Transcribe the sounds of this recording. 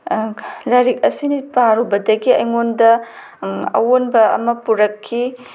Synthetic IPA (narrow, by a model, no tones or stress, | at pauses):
lɐɾik̚ɐsinipaɾubɐdɐɡiɐjŋondɐ | ɐ̰wonbɐɐ̰mɐpuɾɐkʰːi